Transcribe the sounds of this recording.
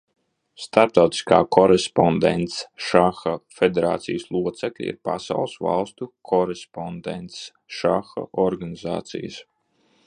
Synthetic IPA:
st̪aɾp̚t̪awt̪i̥ska̰ːkʰɔɾɛspɔnd̪ɛ̰nt̪sʃaxafed̪eɾa̰ːt̪sijəslˠuɔt̪sɛklʲḭḭɾpasa̰wlˠsva̰lˠst̪ukʰɔɾespɔnd̪ɛ̰nt̪s | ʃaxa̰ʔɔɾɡaniza̰ːt̪sḭjəs

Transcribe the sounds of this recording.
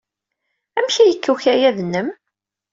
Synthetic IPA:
æmçæjəkːuçæjæðnːəm

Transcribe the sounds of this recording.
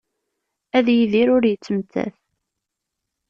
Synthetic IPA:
æðjiðiɾʊɾjət͡sːəmt̪ːæ̰θ

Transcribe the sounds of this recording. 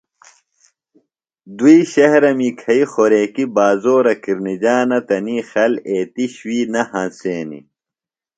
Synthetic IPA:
d̪uiɕɐɦɾɐmikʰɐixoɾeːkibaːzoːɾɐkiɾnid͡ʑaːnɐt̪ɐniːxɐleːt̪iɕwiːnɐhɐ̃nseːnḭ

